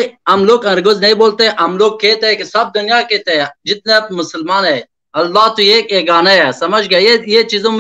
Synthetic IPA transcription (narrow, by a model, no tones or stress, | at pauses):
ɐmloːkɐɾɡʊznɐiboːlt̪eʔɐmloːɡ̚kːeːt̪ekesɐb̚d̪ʊnijaːkeːt̪ed͡ʒɪt̪̚nɐt̪mʊsəlmaːne | ɐlːaːt̪ujeːkeːɡaːnɐjesɐmɐd͡ʒɡɐjet͡ʃizõm